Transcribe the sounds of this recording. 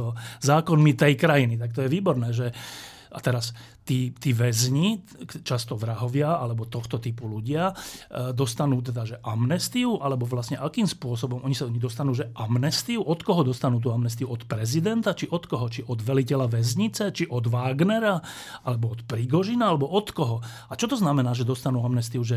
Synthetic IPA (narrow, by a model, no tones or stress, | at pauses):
zaːkɔnmit̪ɛjkɾajinit̪ak̚t̪ɔjɛʋiːbɔɾnɛːʒɛ | ʔat̪ɛɾas | t̪iːt̪iːʋɛzɲi | t͡ʃast̪ɔʋɾaɦɔʋɪaalɛbɔt̪ɔxt̪ɔt̪ipuluɟɪad̪ɔst̪anuːt̪̬ɛd̪aʒɛʔamnɛst̪iuʔalɛbɔʋlasɲɛʔakiːmspʊɔs̬ɔbɔmʔɔɲisaɔɲid̪ɔst̪anuːʒɛʔamnɛst̪iuʔɔt̪kɔɦɔd̪ɔst̪anuːt̪̬uːamnɛst̪iuɔt̪pɾɛzid̪ɛnt̪at͡ʃiʔɔt̪kɔɦɔt͡ʃiʔɔd̪ʋɛlicɛlaʋɛzɲit͡sɛt͡ʃiʔɔd̪ʋaːɡnɛɾa | ʔalɛbɔɔt̪pɾiɡɔʒinaalɛbɔʔɔt̪kɔɦɔ | at͡ʃɔt̪ɔznamɛnaːʒɛd̪ɔst̪anuːamnɛst̪iuʒɛ